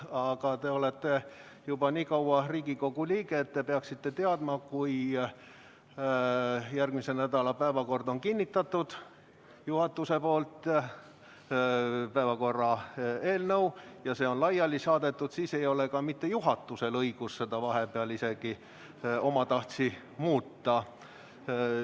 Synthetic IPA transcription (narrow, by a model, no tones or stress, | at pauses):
ɑɡ̥ɑt̪e̞olet̪ːˑe̞ | jub̥ɑniːkɑwɑriːɡ̥iko̞ɡ̥uliːɡeːt̪ːe̞peɑksit̪ːe̞t̪e̞ɑd̪̥mɑkuj | jærɡ̥mise̞næd̪̥ɑlɑpæevɑko̞rd̪o̞nkinʲːit̪ːˑɑt̪ːˑud̪̥ | juhɑt̪ːˑuse̞po̞ːlt̪ˑ | pæevɑko̞rːɑeːlnə̞wjɑse̞ːo̞nlɑjːɑlːisɑːd̪̥e̞t̪ːud̪̥siːse̞jo̞le̞kɑmit̪ːe̞juɦɑt̪ːuse̞lɤiɡ̥usse̞d̪ɑvɑɦe̞peɑlise̞ɡ̥i | o̞mɑt̪ɑht̪si | muːt̪ˑːɑ